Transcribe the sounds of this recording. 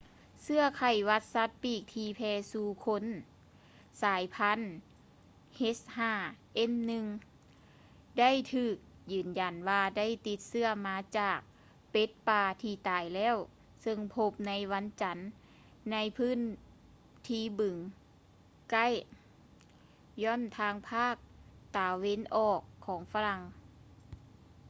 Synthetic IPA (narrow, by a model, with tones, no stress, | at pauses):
sɯ˧˥ɐkʰa˨˩jʋa˧˥t̪̚sa˧˥t̪̚piː˧˩k̚t̪ʰiː˧pʰɛː˧suː˧˩kʰo˧˥n | saː˨˦jpʰa˧˥n | he˦˥s̚haː˧˩ʔe˧˥˨mnɯ˧ŋ | da˥˨jt̪ʰɯː˧˩k̚jɯː˨˩nja˨˩nwaː˧da˥˨jt̪i˧˦t̪̚sɯ˧ɐmaː˧˥t͡ɕaː˨˩k̚ | pe˧˦˥t̪̚paː˧t̪ʰiː˧˩t̪aː˨˩jlɛː˧˥˨w | sɤ˧ŋpʰo˧˥p̚na˧˥jwa˧˥nt͡ɕa˧˦nː | a˧˥jpʰɯː˧˥˨n | t̪ʰiː˧˩bɯ˨˩ŋ | ka˥˨j | jɔ˧˥˨nt̪ʰaː˧˥ŋpʰaː˥˩k̚t̪aː˨˩we˧˥nʔɔː˨˩kʰːɔː˩˦ŋfa˧la˧˩ŋ